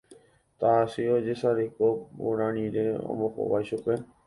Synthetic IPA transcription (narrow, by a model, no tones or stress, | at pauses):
t̪aːsiod͡ʒesaɾekobṵɾãñĩɾeõ̰mõko̰ʋajʃupe